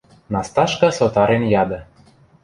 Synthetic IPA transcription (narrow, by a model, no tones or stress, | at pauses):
nɑst̪ɑʃkɑsot̪ɑɾenjɑd̪ɤ̆